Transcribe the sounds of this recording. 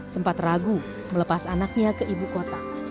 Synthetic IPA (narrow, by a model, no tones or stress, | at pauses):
səmpat̪raɡu | mələpasanak̚ɲakəʔibukot̪a